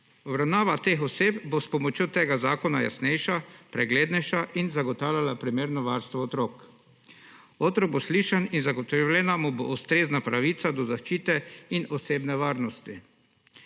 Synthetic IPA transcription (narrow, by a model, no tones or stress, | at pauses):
ɔbɾawnaːʋat̪eːxɔseːpbospɔmɔt͡ʃjot̪eːɡazaːkɔna̰ja̰snɛjʃapɾɛɡleːd̪nɛjʃaʔinzaɡɔt̪aːwljalapɾimeːɾnɔʋaɾst̪ʋɔɔt̪ɾoːk | ot̪ɾɔɡ̚bosliːʃaninzaɡɔt̪ɔwlʲɛnamubo̰ʔust̪ɾeːznapɾaʋiːt̪sad̪ɔzaʃt͡ʃiːt̪ɛinɔseːbnɛʋaːɾnɔst̪i